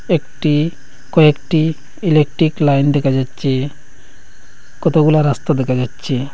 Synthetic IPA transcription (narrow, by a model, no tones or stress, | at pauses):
ekʈi | kɔekʈi | ilek̚ʈɾiklajnɖɛkʰad͡ʒatːt͡ʃʰe | kɔt̪oɡulaɾast̪ad̪ɛkʰad͡ʒatːt͡ʃʰe